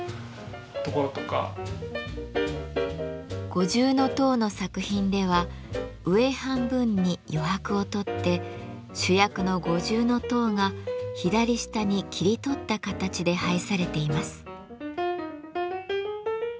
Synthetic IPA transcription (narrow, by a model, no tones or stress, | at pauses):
t̪okoɾot̪oka̰ | ɡ̥o̞ʑɨːno̞t̪o̞ːno̞sakɯ̟çĩnd̪e̞β̞a | ɯ̟e̞hãmbɯ̟̃ɲ̟ːijo̞ɦakɯ̟o̞t̪o̞t̪ːe̞ | ɕɨjakɯ̟no̞ɡo̞ʑɨːno̞t̪o̞ːŋaçid̪aɾʲiɕi̥t̪aɲ̟ikʲʰiɾʲit̪o̞t̪ːakat̪at͡ɕid̪e̞haisaɾe̞t̪e̞imasɨ̥